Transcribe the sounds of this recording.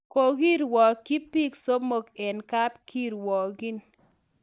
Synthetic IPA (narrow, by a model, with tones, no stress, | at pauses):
ko˨ɡi˦ɾwɔ˨ki˦pi˦kso˦mo˨kɛ˨nka˦pki˦ɾwɔ˨ɡi˦n